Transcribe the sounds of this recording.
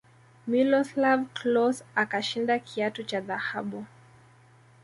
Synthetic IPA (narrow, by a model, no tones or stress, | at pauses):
milɔslavklɔsakaʃindakʰiatut͡ʃaðahaɓu